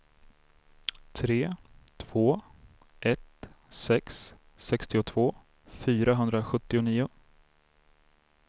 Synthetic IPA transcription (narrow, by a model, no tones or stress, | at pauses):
t̪ʰɾeːt̪ʰv̥oː | ʔɛt̪ | sɛks | sɛkst̪ɪʊt̪ʰv̥oː | fyːɾaɦɵnd̪ɾaɧɵt̪ːɪʊniːʊ